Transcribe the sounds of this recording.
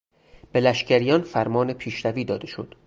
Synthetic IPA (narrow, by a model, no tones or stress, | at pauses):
b̥e̞læʃcʰæɾijɒnfæɾmɒːne̞pʰiːʃɾæviːd̪ɒːd̪e̞ʃo̞̰d̪̥